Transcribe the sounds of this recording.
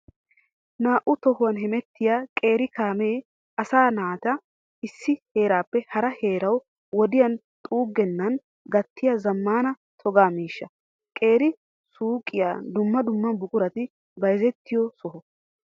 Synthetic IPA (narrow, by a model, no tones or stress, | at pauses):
naːʔʊt̪ɔhʊwɐnɦɛmɛt̪ːɪjaːkʼe̞ːɾɪkaːmeː | ɐsaːnaːt̪ɐ | ɪsːɪheːɾaːpːɛhɐɾɐheːɾɐw | wɔd̪ɪjɐn | t̪ʼuːɡːɛnːɐn | ɡɐt̪ːɪjɐzɐmːaːnɐ | t̪ʰɔɡaːmiːʃːɐ | kʼe̞ːɾɪ | suːkʼːɪja̰ːd̪ʊmːɐd̪ʊmːɐnbʊkʼʊɾɐt̪ɪ | bɐjzɛt̪ːɪjɔsɔhɔ